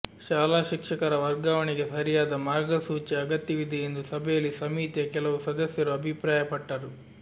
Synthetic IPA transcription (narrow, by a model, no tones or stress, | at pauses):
t͡ʃaːlaːʃikʂɐkɐɾɐʋɐɾɡaːʋɐniɡisɐɾijaːd̪ɐmaːɾɡɐsuːt͡ʃeɐɡɐt̪ːiʋid̪ʱiend̪usɐbʱeːlisɐmiːt̪jɐkɛlɐwusɐd̪ɐsjɐɾuɐbʱipɾaːjɐpɐʈːaːɾu